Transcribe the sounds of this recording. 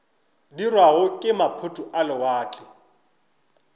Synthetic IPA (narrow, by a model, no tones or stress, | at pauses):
dirwaɣʊkʼɪmapʰʊtʼuʔalɪwaːt͡ɬʼɪ